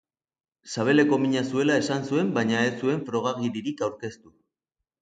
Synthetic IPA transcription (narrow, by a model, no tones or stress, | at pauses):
saβ̞e̞le̞ko̞miɲasue̞lae̞sansue̞mbaɲaesue̞ɱfɾo̞ɣ̞aɣiɾiɾikawɾke̞st̪u